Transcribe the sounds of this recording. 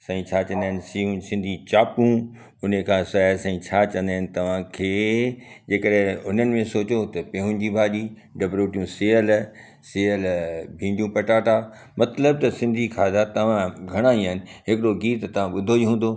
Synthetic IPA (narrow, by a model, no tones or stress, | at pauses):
sãĩt͡ɕʰaːt͡ɕɐ̃nd̪aɦɪnɪsiũsɪ̃nd̪ʱit͡ɕaːpũ | ʊnəkʰãːsɐsãĩt͡ɕʰaːt͡ɕɐ̃nd̪aːɪnɪ̆t̪ɐʋ̤ãkʰeːd͡ʑeːkəɗɦẽʊn̤ənɪ̆mẽsoːt͡ɕot̪ɐpẽːɦʊ̃n̆d͡ʑiːbʱaːɗi | ɖɐbɾoːʈijũseːəl | seːəlbʱĩːɳɖijũpɐʈaːʈ̪a | mɐt̪ləb̚t̪ɐsɪ̃nd̪ʱikʰaːd̪at̪ɐʋ̤ãɡʱɐɽ̃aĩənɪ̆ɦɪkɪɽoɡiːt̪t̪ɐʋ̤ãɓʊd̪ʱoiɦũːnd̪o